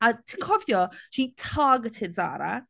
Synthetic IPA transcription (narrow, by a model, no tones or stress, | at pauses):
ətʰɪŋkʰɔvjɔʃitʰɑːɡətʰɪdza̰ːɾə̰